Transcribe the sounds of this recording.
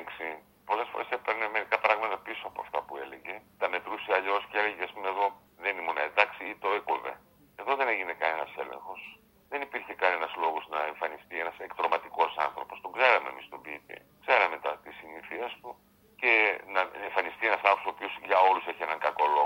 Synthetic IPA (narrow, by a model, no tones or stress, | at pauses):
ŋksi | po̞le̞sfo̞ɾe̞sepeɾnemeɾikɐpɾɐɣmɐt̪ɐpiso̞ɐpo̞̰ɐ̰ft̪ɐpue̞lḛʝe̞t̪ɐme̞t̪ɾusiɐʎo̞sceeleʝeɐspumeeðo̞ | ðe̞nimonɐend̪ɐksiit̪o̞ekovḛ | eðo̞ðe̞ne̞ʝinekɐne̞nɐse̞̰lḛ̃ŋxo̞s | ðe̞nipiɾçe̞kɐne̞nɐzlo̞ɣo̞znɐeɱfɐnist̪ie̞nɐsekt̪ɾo̞mɐt̪iko̞sɐ̰nθɾo̞po̞st̪o̞ɡze̞ɾɐme̞̰mist̪o̞bit̪ḭ | kze̞ɾɐme̞t̪ɐt̪isiniθiest̪u | ce̞nɐeɱfɐnist̪ienɐsɐnoposopiosʝɐo̞luseçie̞nɐŋɡɐko̞loɣ